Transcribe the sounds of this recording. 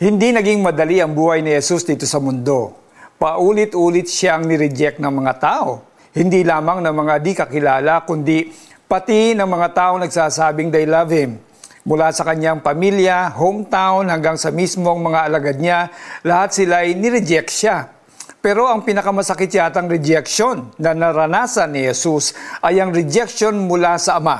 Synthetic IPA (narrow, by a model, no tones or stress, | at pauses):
hɪnd̪inɐɡiŋmɐd̪ɐliʔɐŋbuːhɐjnɪhɛsusd̪iːt̪o̞sɐmʊnd̪o̞ | pɐʔuːlɪt̪ʔuːlɪt̪̚ʃaʔɐŋnɪɾɪd͡ʒɛk̪̚nɐŋmɐŋat̪aːʔo̞ | hɪnd̪ilaːmɐŋnɐŋmɐŋad̪ɪkɐkɪlaːlɐkʊnd̪i | pɐt̪inɐŋmɐŋat̪aːʔo̞nɐɡsaːsaːbɪŋd̪ɐjlavɛm | mʊlasɐkɐɲːaŋpɐmiljɐhowmt̪awnhɐŋɡaŋsɐmismoŋmɐŋaʔɐlɐɡad̪̚ɲalɐhat̪̚sɪlajnɪɾɛd͡ʒɛkʃa | pɛːɾo̞ʔɐŋpɪnɐkɐmɐsɐkɪt̪̚t͡ʃjaːt̪ɐŋɾɛd͡ʒɛkʃo̞nːɐnɐɾɐnaːsɐnːɪhɛsusʔɐjɐŋɾɛd͡ʒɛk̚ʃo̞nmʊlasɐʔɐma